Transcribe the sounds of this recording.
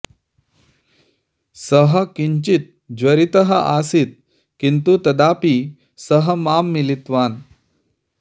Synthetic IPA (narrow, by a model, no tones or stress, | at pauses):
səɦəkiɲt͡ɕit̪̚ | d͡ʑʋəɾit̪əɦəʔasit̪̚ | kint̪ut̪ɐd̪api | səɦəmamːilit̪ʋaːn